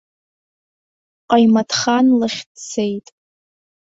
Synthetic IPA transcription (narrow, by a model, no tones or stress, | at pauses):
qʼajmatʰχanlɨχʲdt͡sʰejtʼ